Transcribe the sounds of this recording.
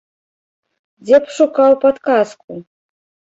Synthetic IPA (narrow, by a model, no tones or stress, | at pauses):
d͡zʲɛpʂukawpat̪kask̚u